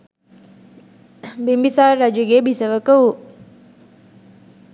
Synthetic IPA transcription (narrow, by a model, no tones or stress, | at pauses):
bimbisaːɾɾad͡ʒuɡebisəʋəkəu